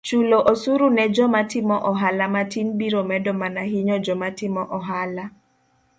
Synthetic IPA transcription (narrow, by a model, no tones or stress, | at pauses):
t͡ʃuloʔosuɾunɛd͡ʒɔmatɪmɔʔɔɦalamatinbiɾomɛdɔmanaɦiɲɔd͡ʒɔmatɪmɔʔɔɦala